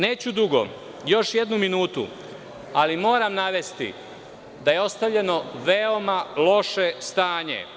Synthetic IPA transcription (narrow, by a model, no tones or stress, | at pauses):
ne̞ːt͡ɕud̪uɡo̞̰ | jo̞ʃje̞d̪numinuːt̪ṵ | alimo̞ːɾamnaʋe̞st̪ḭ | d̪ajeo̞st̪aʋʎe̞no̞ʋeo̞malo̞ʃe̞st̪aːɲḛ